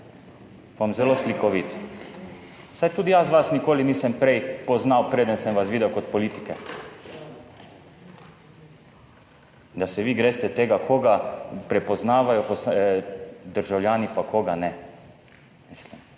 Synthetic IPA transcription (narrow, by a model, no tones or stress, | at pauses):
paamzɛloːslikɔʋit̪ | sajt̪uːd̪ijazʋasnikoːlinisɛmpɾejpɔznawpɾeːd̪ənsɛmʋasʋiːd̪ɛwkɔt̪pɔliːt̪i̥kɛ | d̪asɛʋiːɡɾeːst̪ɛt̪eːɡakʰoːɡapɾɛpɔznaːʋajɔpɔs | d̪əɾʒawljaːnipakʰoːɡanɛ | mislim